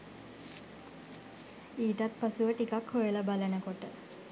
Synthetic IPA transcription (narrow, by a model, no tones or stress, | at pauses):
iːʈat̪pasuʋəʈikakhojəlabalənəkoʈə